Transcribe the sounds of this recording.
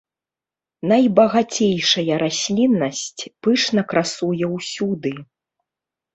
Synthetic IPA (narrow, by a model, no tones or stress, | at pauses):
nɐjbɐɣat͡sʲejʂɐjɐɾasʲlʲinːɐsʲt͡sʲpɨʂnɐkɾasujɛwsʲud̪ɨ